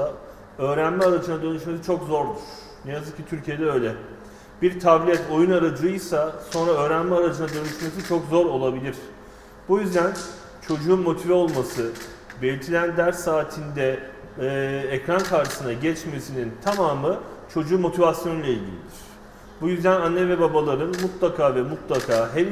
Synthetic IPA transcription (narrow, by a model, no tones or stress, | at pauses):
a | ø̞ːɾænmɛaɾad͡ʒɯnad̪ø̞nyʃmes̬it͡ʃʰo̞kzo̞ɾd̪uɾ̥ | nɛjazɯk̚cʰːit̪ʰyɾʲcʰije̞d̪ɛø̞ːlʲɛ | biɾt̪ʰablʲiɛt̪ʰo̞junaɾad͡ʒɯjsaso̞nɾaø̞ːɾænmɛaɾad͡ʒɯnad̪ø̞nyʃme̞s̬it͡ʃʰo̞kzo̞ɾo̞lˠabilʲiɾ̥ | bujyzd̪æn | t͡ʃʰo̞d͡ʒuːnmo̞t̪ʰivɛo̞lˠmasɯ | belʲit̪ʰilʲænd̪æɾsaːt̪ʰind̪ɛ | cɾankʰaɾʃɯ̥sɯnaɟɛt͡ʃme̞sinint̪ʰamaːmɯt͡ʃʰo̞d͡ʒuːmo̞t̪ʰivasjo̞nlʲˠailʲɟilʲḭd̪iɾ̥ | bujyzd̪ænanːɛvɛbabalˠaɾɯnmut̪lˠakʰaːvɛmut̪lˠakʰaːɦɛl